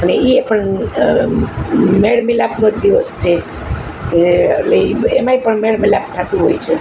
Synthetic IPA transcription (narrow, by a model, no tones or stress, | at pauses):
ɦəneiepəɳ | meɽmilapnod̪iʋəst͡ʃʰe | ləemaipəɳmeɽmilapt̪ʰat̪ũɦojt͡ʃʰe